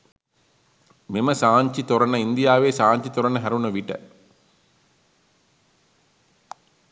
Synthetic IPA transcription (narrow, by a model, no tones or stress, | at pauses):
memɐsaːɲt͡ʃit̪ɔɾɐnɐind̪ijaːʋeːsaːɲt͡ʃit̪ɔɾɐnɐɦæɾunɐʋiʈɐ̰